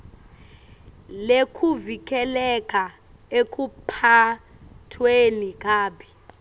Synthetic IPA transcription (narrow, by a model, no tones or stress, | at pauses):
lekʰuvik̬ʼɛlɛkʼʰa | ekʰʼupʰa | tʰwenik̬ʼaːɓi